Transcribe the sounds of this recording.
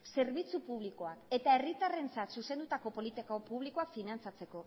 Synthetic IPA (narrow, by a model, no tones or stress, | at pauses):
se̞ɾβit͡supuβ̞liko̞ake̞t̪ae̞rit̪are̞nt͡sat̪suse̞nd̪ut̪ako̞po̞lit̪ikopuβ̞liko̞afinant͡sat͡se̞ko̞